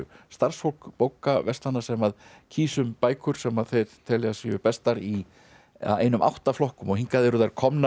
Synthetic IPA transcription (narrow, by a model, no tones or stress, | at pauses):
st̪ar̥sfowlkpoːwkavɛst̪lanːḁsɛmað | cʰiːsʏmpaːjkʰʏɾ̥sɛmaðθejɾ̥t̪ʰɛlɛɣasjʏpɛst̪aɾi | a̰ḛːjnʏmʔa̰wht̪aflɔhkʏmɔhiŋkaðɛɾʏðajɾ̥kʰɔmna